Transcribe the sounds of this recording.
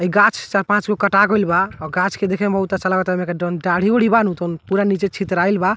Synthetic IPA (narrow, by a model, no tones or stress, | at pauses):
əiɡãt͡ʃʰt͡ʃaɾpãt͡ʃɡokəʈaɡoilbaɔɡãt͡ʃʰked̪ekʰɛbəɦut̪ːat͡ʃəlakɔt̪amekeɖɔnɖaɽ̤ioɽ̤ibanũt̪onpuɾanit͡ʃet͡ʃʰit̪ɾajlba